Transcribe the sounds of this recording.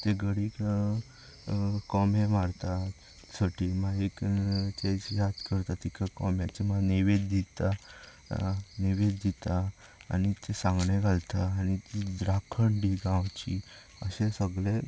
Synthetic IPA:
t̪eɡəɽiːk | kɔmemaɾt̪a | saʈʰimaekt͡ɕesjat̪kəɾt̪at̪ikəkɔmjat͡ɕimaneʋed̪d̪it̪a | neʋed̪̚d̪it̪a̰ː | nit̪esãŋɡɳẽɡʱalt̪aːnit̪id̪ɾakʰəɳɖiɡãwt͡ɕi | əɕesəɡle

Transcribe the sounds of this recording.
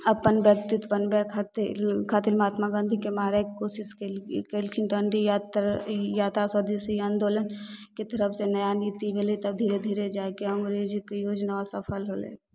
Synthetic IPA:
əpənbjək̚t̪ɪt̪bənbɛkʰat̪lkʰaːt̪ɪlmaːt̪maɡãːnd̪ʱikemaːɾakikoːsɪskekelkʰɪnʈəɳɖijt̪jaːt̪asɔd̪isejãːnd̪oːlənket̪əɾəpʰsenɐjaniːt̪ibelet̪əb̚d̪ʱiːɾed̪ʱiːɾed͡ʒaːkeə̃ŋɡɾed͡ʒkjoːd͡ʒnaosɐpʰəlɦolḛː

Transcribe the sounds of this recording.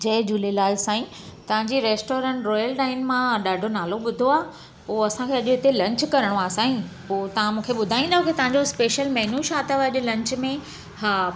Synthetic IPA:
d͡ʑɐɦd͡ʑuːlelaːɪsãːĩ | t̪ɐʋ̤ãɲd͡ʑiɾeːsʈoːɾẽɳʈɾɔːjəlʈaːɪnmãɗaːɖʱonaːloɓʊd̪ʱoaːɦ | poːɐsãkʰeːɐʄʊɦɪt̪elɐ̃ɲt͡ɕkɐɾəɽ̃oaːsãːĩpoːt̪ɐʋ̤ãmũːkʰeɓʊd̪ʱaːĩnd̪aɦõkit̪ɐ̃ɦãɲd͡ʑospeːʃəlmɛɦnuʃaːt̪əʋɐʄʊ̆lɐ̃ɲt͡ɕmẽ | haː

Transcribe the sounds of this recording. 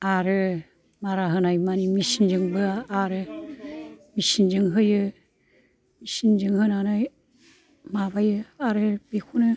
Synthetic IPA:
aɾɯ | maɾaɦɯnajmanimisind͡ʒɯŋbɯaːɾɯ | misind͡ʒɯŋɦɯjɯ | misind͡ʒɯŋhɯnanaj | mabajɯaɾɯbekʰunɯ

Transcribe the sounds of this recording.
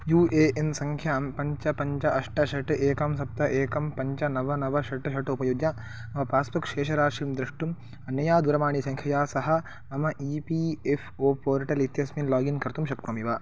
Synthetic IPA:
juːeːʔensɐŋkʰjaːmpɐɲt͡ʃɐpɐɲt͡ʃɐʔɐʂʈɐʃɐʈʔeːkɐmsɐp̚t̪ɐʔeːkɐmpɐɲt͡ʃɐnɐʋɐnɐʋɐʃɐʈɨʃɐʈupɐjuɡjɐ | ɐmɐpaːspɐkʃeːʃɐɾaːʃiːmd̪ɾɐʂʈum | ɐnjɐjaːd̪uɾɐmaːɳisɐŋkʰɐjaːsɐɦɐ̆ | ɐmɐʔiːpiːefʰoːpoːɾʈɐlit̪jɐsminlaːɡinkɐɾt̪umʃɐk̚t̪ɐmiʋaː

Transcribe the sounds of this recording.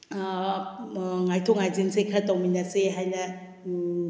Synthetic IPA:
ŋajtʰɔŋajzinsekʰɾatawminɐseɦajnɐ

